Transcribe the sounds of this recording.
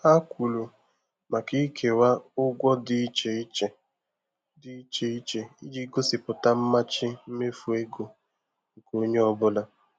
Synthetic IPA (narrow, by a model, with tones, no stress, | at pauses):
a˦kʷu˨lu˨ | ma˨ki˦kʰe˨wa˦ʊ˦ɡʷɔ˦dɪ˦t͡ʃe˨i˦t͡ʃe˨ | dɪ˦i˦t͡ʃe˦i˦t͡ʃe˦i˦di˦ɡo˦sɪ˨pʊ˨ta˦m̩˦ma˦t͡ʃɪ˦m̩˦me˦fu˨e˦ɡo˨ | ŋ̩˨ko˨o˦ɲe˦ɔ˦bʊ˦la˦